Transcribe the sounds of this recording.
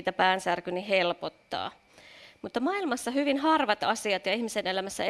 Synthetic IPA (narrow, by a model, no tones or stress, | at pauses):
t̪æpæːnsærkynihelpot̪ːɑ̰ː | mut̪ːɑmɑilmɑsːɑhyʋinhɑrʋɑt̪ɑsiɑt̪jɑihmisenelæmæsːæ